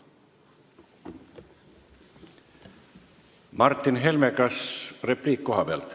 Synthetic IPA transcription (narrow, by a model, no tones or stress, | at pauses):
mɑrt̪ːinɦe̞lmekɑsrepliːkːo̞ɦɑpeɑ̰lt̪